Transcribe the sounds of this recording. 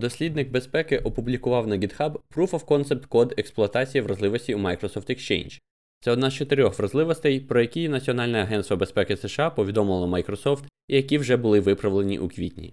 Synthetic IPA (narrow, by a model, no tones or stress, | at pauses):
d̪ɔsʲlʲid̪nɪɡ̚be̞spɛkɪʔɔpʊblʲikʊʋɑwnɐɡʲid̪xɑbːɾufɐwkɔnt̪sɛp̚t̪kɔd̪eksplˠʊɐt̪ɑt͡sʲijɐʋɾɐzlˠɪʋɔsʲtʲiumɑjkɾɔsɔfwt̪ɛkst͡ʃḛjnʒ | t̪sɛɔd̪nɑzt͡ʃet̪eɾʲɔxʋɾɐzlˠɪʋɔst̪ɛjpɾɔjɐkʲijnɐt͡sʲiɔnɑlʲnɛɐɦɛnst̪ʋɐbe̞spɛkɪsɛʃɑpɔʋʲid̪ɔmɪlˠɐmɐjkɾɔsɔft̪ | ijɐkʲiwʒɛbʊlˠɪʋɪpɾɐʋlˠe̞nʲḭʔukʋʲḭt̪ʲnʲḭ